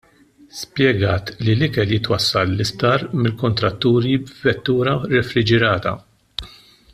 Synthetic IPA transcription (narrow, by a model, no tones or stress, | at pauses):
spjɛɡɐːt̪lilɪkɛljɪt̪wɐsːɐlːɪst̪ɐːɾmɪlkɔnt̪ɾɐt̪ːuːɾibvɛt̪ːuːɾɐɾɛfɾɪd͡ʒɛɾɐːt̪ɐ̰